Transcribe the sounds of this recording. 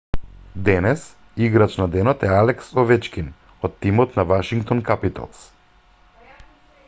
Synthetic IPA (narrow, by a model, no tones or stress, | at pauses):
d̪ɛnɛs | iɡɾat͡ʃnad̪ɛnɔt̪ɛalɛksɔvɛt͡ʃkʲin | ɔt̪ːimɔt̪navaʃiŋkt̪ɔnkapit̪a̰lˠs